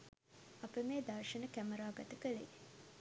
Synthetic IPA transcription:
ɐpəmeːd̪ɐrʂənəkæməɾaːɡɐt̪əkəlḛ

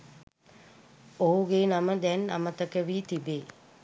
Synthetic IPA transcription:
oɦuɡenaməd̪ɛna̰mət̪əkəʋiːt̪ibeː

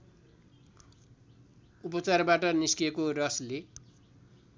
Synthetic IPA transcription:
upʌt͡sarbaʈʌniskiekorʌsle

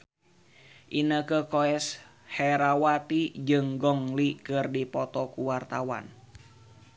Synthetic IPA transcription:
ʔinəkəkɔɛs | hɛɾawat̪id͡ʒɨŋɡɔŋlikɨrdipɔt̪ɔkuwart̪awa̰n

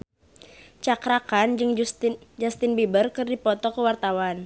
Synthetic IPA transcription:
t͡ʃakɾakand͡ʒɨŋd͡ʒast̪inbibərkɨrdipɔt̪ɔkəwart̪awan

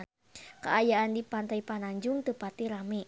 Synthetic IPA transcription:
ka̰ʔajaʔandipant̪aipanaɲd͡ʒʊŋt̪əpat̪iɾami

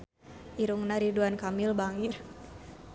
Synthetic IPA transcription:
ʔiɾuŋnaɾiduankamilbaŋir

